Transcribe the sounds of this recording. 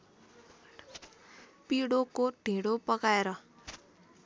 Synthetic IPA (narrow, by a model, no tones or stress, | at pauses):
piɽokoɖʱĩɽopʌkaeɾʌ